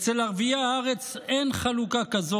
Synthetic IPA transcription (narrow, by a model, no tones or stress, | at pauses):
t͡selaʁviaaʁe̞t͡senχalukakazo